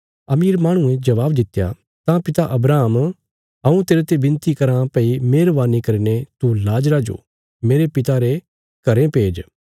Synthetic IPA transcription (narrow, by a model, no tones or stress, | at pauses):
ɐmiːɾmaːɽ̃ʊ̃ẽd͡ʒɐʋaːbd̪ɪt̪ːja̰ | t̪ãpɪt̪aʔɐbɾaːm | ɐũt̪eːɾet̪ebɪ̃nt̪ikɐɾãpɛimeːɾʋaːnikɐɾinet̪ulaːd͡ʒɾad͡ʒo̰ː | meːɾepɪt̪aɾe | kɐɾẽpeːd͡ʒ